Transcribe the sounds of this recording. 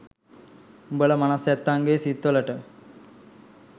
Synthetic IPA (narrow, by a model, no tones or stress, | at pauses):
bələmanasɛt̪ːaŋɡeːsit̪ːoləʈə